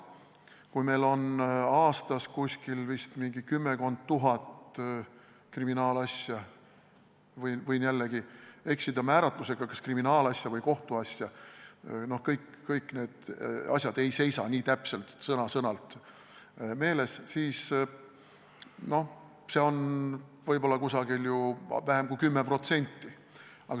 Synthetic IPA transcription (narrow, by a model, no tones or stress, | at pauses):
kujme̞jlo̞nɑːst̪ɑskusʲkilvist̪miŋɡ̥ikymːeko̞nd̪̥̚t̪ːuɦɑt̪ | kriminɑːlɑsʲjɑ | vɤjvɯjnjælːeɡ̥ie̞ksid̪̥ɑmæːɾɑt̪ˑluse̞ɡ̥ɑkɑskriminɑːlɑsʲjɑvɤjko̞ht̪uɑsʲjɑ | no̞hkɤjkːɤjkːˑne̞ːd̪̥ɑ̰sʲjɑd̪e̞jse̞jsɑnʲiːt̪æpse̞lt̪sɤnɑsɤnɑlt̪ˑ | me̞ːle̞ssiːs | no̞h | se̞o̞nvɤjbo̞lːɑkusɑɡiljuvæɦe̞mkujkymːepro̞t̪se̞nʲt̪ːˑi | ɑɡ̥ɑ